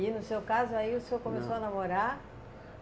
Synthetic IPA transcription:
inʊsewkazʊaiʊsewkõmesowanamoɾa

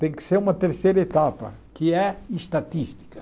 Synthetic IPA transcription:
t̪ẽj̃kɪ̥seɾũmɐt̪eɾsejɾɐet̪apɐ̰ | kɪɛɪʃt̪at̪iʃt̪i̥kɐ

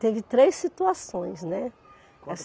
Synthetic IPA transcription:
t̪evɪt̪ɾejsːit̪uasõj̃snɛ | ɛs

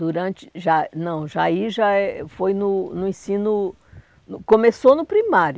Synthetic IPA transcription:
d̪uɾɐ̃t͡ʃɪ̥ʒanɐ̃w̃ʒaiʒaɛfojnʊnʊẽsĩnʊ | nʊkõmesonʊpɾimaɾ

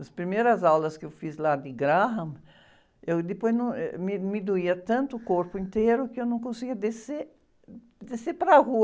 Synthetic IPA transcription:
ɐspɾimejɾɐzawlɐskɪewfizlad̪ɪɡɾaɦɐ̃m | ewd̪ɪpojznɐ̃mɪmid̪uiɐt̪ɐ̃nt̪ʊːkoɾpʊĩnt̪ejɾʊkɪewnɐ̃w̃kõsiɡiɐd̪eseɾ | d̪eseɾpɾɐhu

